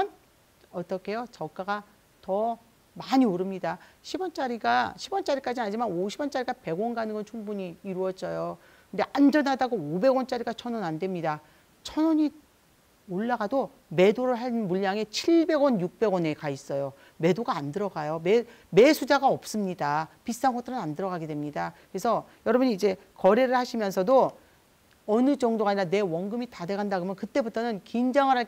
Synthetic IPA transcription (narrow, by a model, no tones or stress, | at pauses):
ʌn | ʌt͈ʌkʰe̞jot͡ɕʌk͈aɡa | tʌ | maɲioɾɯmɲidaɕʰibʌnt͡ɕ͈aɾiɡaɕʰibwʌnt͡ɕ͈aɾik͈ad͡ʑimad͡ʑimanoɕʰibwʌnt͡ɕ͈aɾiɡape̞ɡwʌnɡanɯŋɡʌnt͡ɕʰuŋbuɲiːɾuʌtt͡ɕ͈ʌjo | kʰɯnde̞ʔand͡ʑʌnɦadaɡoobe̞ɡwʌnt͡ɕ͈aɾiɡat͡ɕʰʌnwʌnandwe̞mɲida | t͡ɕʰʌnwʌɲi | oɭːaɡado | me̞doɾɯɭɦamuʎːaŋe̞t͡ɕʰiɭbe̞ɡwʌnjuk̚p͈e̞ɡwʌne̞kais͈ʌjo | me̞doɡaːndɯɾʌɡajome | me̞sʰud͡ʑaɡaʌp̚s͈ɯmɲidapis͈anŋɡʌt͈ɯɾɯnandɯɾʌɡaɡe̞dwemɲidakɯɾe̞sʰʌjʌɾʌbuɲiːd͡ʑe̞ | kʌɾeɾɯɭhaɕʰimjʌnsʰʌdo | ʌnɯd͡ʑʌŋdoaɲiɾane̞wʌnɡɯmitade̞ɡandaɡomjʌnkɯt͈e̞butʰʌnɯnkind͡ʑaŋɯɾɦa